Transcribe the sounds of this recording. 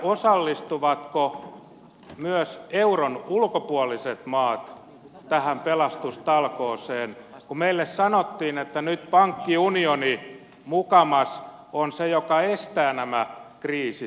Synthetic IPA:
osɑlːist̪uʋɑt̪ko | myœseuronulkopuɔliset̪mɑːt̪ | t̪æhæmpelɑst̪ust̪ɑlkoːseːnkumeilːessɑnot̪ːiːnet̪ːænyt̪pɑŋkːiunioni | mukɑmɑsonsejokɑest̪æːnæmækriːsi

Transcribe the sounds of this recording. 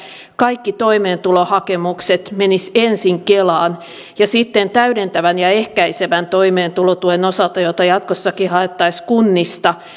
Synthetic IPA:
kɑikːit̪oimeːnt̪ulohɑkemukset̪menisensiŋkelɑːn | jɑsit̪ːent̪æyɾent̪æʋænjɑehkæiseʋænt̪oimeːnt̪ulot̪uenosɑlt̪ɑjot̪ɑjɑt̪kosːɑkihɑet̪ːɑiskunːist̪ɑ

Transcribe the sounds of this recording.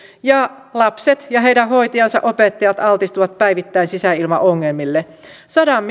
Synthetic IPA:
jɑ | lɑpset̪jɑɦe̞jdæɦo̞jt̪iɑnsɑ̰ʔo̞pet̪ːɑjɑt̪ɑlt̪ist̪uʋɑt̪̚pæjʋit̪ːæinsisæilmɑ̰ʔoŋːelmilːe | sɑdɑmː

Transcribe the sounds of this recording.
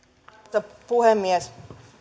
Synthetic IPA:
ɑpuhemːiæs

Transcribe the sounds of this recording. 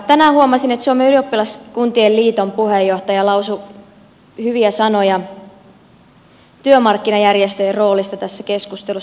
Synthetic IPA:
t̪ænæːhuomɑsinet̪suomeyliopːilɑskunt̪ielliːt̪ompuhejːoht̪ɑjɑlɑwsu | hyʋiæsɑnojɑ | t̪yømɑrkːinɑjærjest̪øjero̞ːlist̪ɑt̪æsːækeskust̪elu

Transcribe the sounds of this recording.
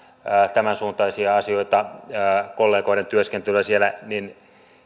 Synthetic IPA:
ət̪æmænsuːnt̪ɑisiɑɑsioit̪ɑ | kolːeːkoiɾent̪yøskent̪yyæsielænin

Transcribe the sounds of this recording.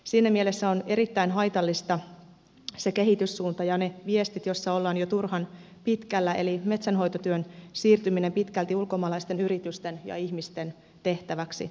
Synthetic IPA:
siːnːæmie̞le̞sːæo̞ne̞ɾit̪ːæinɦɑjt̪ɑlːist̪ɑ | se̞ke̞ɦit̪ysːuːnt̪ɑjɑne̞ʋie̞st̪it̪jo̞sːɑo̞lːɑːnjot̪urhɑn | pit̪kælːæe̞̰lime̞t̪sænɦo̞jt̪ot̪yønsiːrt̪ymine̞mpit̪kælt̪iulko̞mɑlɑist̪e̞nyɾit̪yst̪e̞njɑ̰içmist̪e̞n | t̪e̞ht̪æʋæksḭ

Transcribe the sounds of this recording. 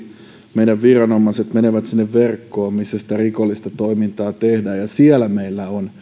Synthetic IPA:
meidæʋʋirɑnomːˑɑset̪meneʋæt̪sinːeʋʋerkːoːmmisːæsi̥t̪ærikolːist̪ɑt̪oimint̪ɑːt̪ehdæːjɑsiɛlæmeilːæon

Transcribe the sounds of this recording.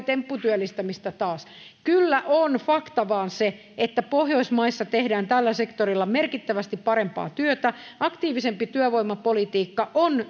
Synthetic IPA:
t̪empːut̪yœlːist̪æmist̪æt̪ɑːs | kylːæʔonfɑkt̪ɑʋɑːnse | et̪ːæpohjoismɑisːɑt̪ehdæːnt̪ælːæsekt̪orilːɑmerkit̪ːæʋæst̪ippɑɾempɑ̰ːt̪yøt̪æɑkt̪iːʋisempit̪yœʋoimːɑpolit̪iːkːɑʔon

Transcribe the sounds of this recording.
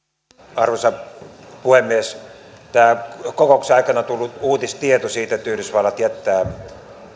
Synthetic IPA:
ɑrʋosɑ | puhemːies | t̪æːkokoukseɑˑikɑnɑt̪ulːuuːt̪ist̪iet̪osiːt̪et̪yhrysʋɑlːɑt̪iæt̪ːæː

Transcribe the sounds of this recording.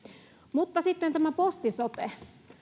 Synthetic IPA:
mut̪ːɑsit̪ːent̪æmæpost̪isot̪e

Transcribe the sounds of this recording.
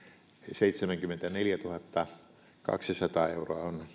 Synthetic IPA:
seit̪semæŋkymːˑent̪æneljæt̪uhɑt̪ːɑ | kɑ̰ksisɑt̪ɑːeuroɑon

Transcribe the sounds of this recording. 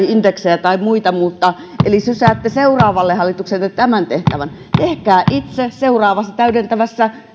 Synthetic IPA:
ind̪eksejæt̪ɑimuit̪ɑmut̪ːɑ | ʔelisysæːt̪ːeseurɑːʋɑlːehɑlːˑit̪uksenlːet̪æmænt̪eht̪æʋæn | t̪ehkæːʔit̪seseurɑːʋɑsːɑt̪æydent̪æʋæsːæ

